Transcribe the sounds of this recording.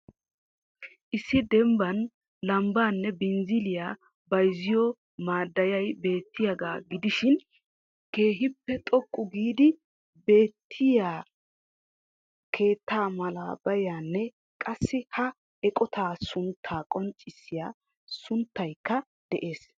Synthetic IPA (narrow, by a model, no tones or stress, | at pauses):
ʔɪsːɪd̪ɛmbɐn | lɐmbaːnːɛbɪnzɪlɪjaː | bɐjzɪjɔ | maːd̪ːɐjɐjbe̞ːt̪ʰːɪjɐɡaːɡɪd̪ɪʃɪn | ke̞ːɦɪpːɛt̪ʼɔkʼːʊɡiːd̪ɪ | be̞ːt̪ʰːɪjaː | kʰe̞ːt̪ːaːmɐla̰ːbɐjaːnːɛ | kʼɐsːɪhɐ | ɛkʼɔt̪ʰaːsʊnt̪ʰːaːkʼɔnt͡ʃʼːɪsːɪjaː | sʊnt̪ːɐjkːɐ | d̪̥ɛʔe̞ːs